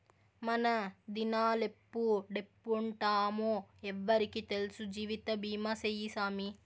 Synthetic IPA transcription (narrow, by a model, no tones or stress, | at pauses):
mɐnɐd̪inaːlepːuɖepːuɳʈaːmoːɛʋːɐɾikit̪elsud͡ʒiːʋit̪ɐbiːmasejisaːmi